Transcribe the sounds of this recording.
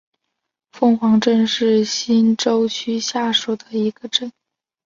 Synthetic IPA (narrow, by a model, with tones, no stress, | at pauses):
fɤ˥˩ŋxwɑ˧˥ŋʈ͡ʂə˥˧nʂɻ̩˥˩ɕi˥nʈ͡ʂo˥ʊt͡ɕʰy˥ɕja˥˩ʂu˨˩d̪ə˩i˧˥ɡ̥ə˧ʈ͡ʂə˥˩n